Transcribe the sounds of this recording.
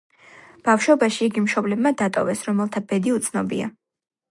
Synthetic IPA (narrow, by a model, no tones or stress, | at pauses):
b̥afʃɔbaʃiiɡimʃɔblɛbmad̪at̪ʼɔ̰vɛsɾɔmɛlˠt̪ʰab̥ɛd̪iut̪sʰnɔbḭa̰